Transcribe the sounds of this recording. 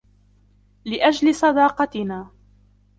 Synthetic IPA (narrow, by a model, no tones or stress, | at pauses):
lɪʔad͡ʒlɪsˤɑd̪ɑːqɑt̪ɪnaː